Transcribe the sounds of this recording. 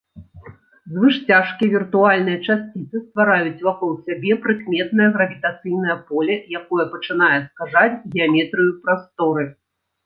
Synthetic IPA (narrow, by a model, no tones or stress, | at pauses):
zvɨʂt͡sʲaʂkʲijvʲirt̪ualʲnɨjɐt͡ʂasʲt͡sʲit̪sɨst̪vaɾajut͡sʲvakɔlˠsʲabʲɛpɾɨkmʲɛt̪̚nɐjɐɣɾɐvʲit̪at̪sɨjn̪ɐjɐpɔlʲɛjakɔjɐpɐt͡ʂɨnajɛskaʐat͡sʲɣʲɛamʲɛt̪ɾɨjupɾast̪ɔɾɨ